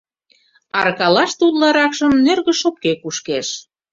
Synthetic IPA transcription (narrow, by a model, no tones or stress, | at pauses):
ɑɾkɑlɑʃt̪ut̪lɑɾɑkʃə̆mnerɣə̆ʃop̚kekuʃkeʃ